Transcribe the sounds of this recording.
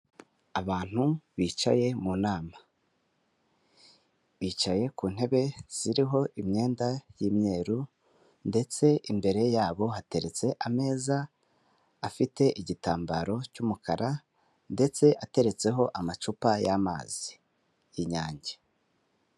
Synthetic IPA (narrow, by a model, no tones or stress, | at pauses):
aβaːn̥huβiːt͡ʃa̰je̞munaːma | βiːt͡ʃaje̞kuːn̥e̞βe̞z̥iɾiɦo̞ʔimɲe̞ːndajiːmɲe̞ːɾu | nde̞t͡se̞ʔimbe̞ɾe̞jaːβo̞ɦate̞ɾe̞t͡se̞ʔame̞ːzaː | fite̞ʔiɟitaːmbaɾo̞cumukʰaɾa | nde̞t͡se̞ʔate̞ɾe̞t͡se̞ɦo̞ʔamat͡ʃupajaːma̰ːz̥i | jiɲaːɲɟe